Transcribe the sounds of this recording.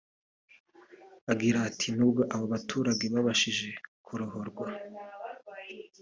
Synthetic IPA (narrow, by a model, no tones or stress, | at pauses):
aɡiɾaːtʰinuːbɡo̞ʔaβoβatʰuːɾaɡe̞βaβaʃiʒe̞kʰuɾoɦoɾɡwa